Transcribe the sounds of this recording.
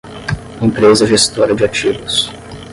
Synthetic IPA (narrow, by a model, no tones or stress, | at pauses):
ẽpɾezɐʒest̪ɔɾɐd͡ʒɪat͡ʃivʊs